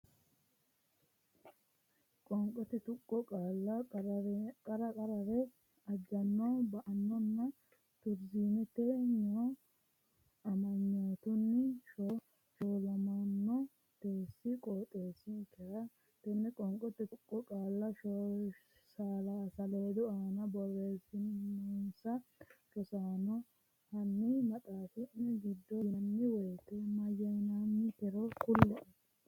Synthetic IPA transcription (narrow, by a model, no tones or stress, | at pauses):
kʼɔŋkʼɔt̪ɪt̪ʊkʼːɔkʼaːlːɐ | kʼɐɾɐkʼɐɾɐɾɛ | ɐd͡ʒɐnːoːbɐʔɐnːɔnːɐ | t̪ʊɾziːnɛt̪eːɲːo | ɐmɐɲːoːt̪ʊnːɪʃo | ʃoːlɐmɐnːɔ | t̪eːsːɪkʼoːt̪ʼeːsːɪkːɛɾɐ | t̪ɛnːɛkʼɔŋkʼːɔt̪ːɛʊkʼːɔkʼaːlːɐʃɔ | saːlaːsɐle̞ːd̪ʊaːnɐbɔreːsɪnɛnsɐʃɔsaːnɔ | hɐnːɪmɐt̪ʼaːfɪnːɛɡɪd̪ːɔnːɪwɔjt̪ɛmɐjɐjnanːɪt̪ɛɾɔkʊlːɛʔ